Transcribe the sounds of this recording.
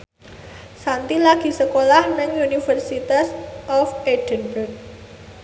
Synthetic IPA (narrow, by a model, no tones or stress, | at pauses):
sant̪ilaɡ̥i̤səkolahnəŋunifərsit̪asʔɔfeɖ̥ənbərk̚